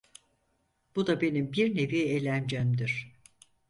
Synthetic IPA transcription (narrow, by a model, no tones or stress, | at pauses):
b̥ud̪abe̞nimbiɾne̞vielʲænd͡ʒæmd̪iɾ̥